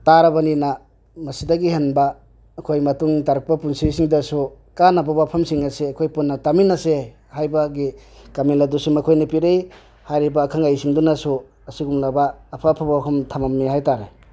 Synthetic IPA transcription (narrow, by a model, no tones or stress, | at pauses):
taɾɐbanina | mɐsidɐɡihenbaː | kʰojmɐtuŋtaɾk̚pɐpunsisiŋdɐsu | kanabawapʰɐmsiŋɐseɐkʰojpunːɐtaminɐse | hajbaɡikamiladusumɐkʰojnɐpiɾej | hajɾibaːkʰaŋajsiŋdunasu | ɐsiɡuŋlabaːpʰapʰabawapʰɐmtʰamamniɦajtaɾe